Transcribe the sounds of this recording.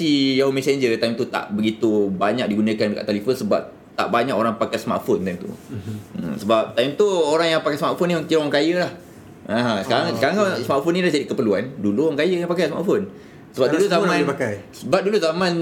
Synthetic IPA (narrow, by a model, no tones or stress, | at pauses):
sijaomɛ̃seɲd͡ʒət̪ajmt̪ut̪a̰ʔbəɡit̪ubaɲak̚diɡunə̃kanəka̰ʔt̪alifənsəba̰p̚ | t̪a̰ʔbaɲãkoɾaŋpakajsəma̰t̪font̪ajmt̪ṵə̰səbap̚t̪ajmt̪uoɾaŋjaŋpakajsmaʔ̪foniaŋt̪ioŋkajəlah | ãɦãkaɾaŋkaɾaŋsəmaʔ̪fʊnilahd͡ʒadikəpəluanduluaŋkajəkanpakajsma̰ʔfon | səbap̚duluzamãakajsəbap̚duluzamãn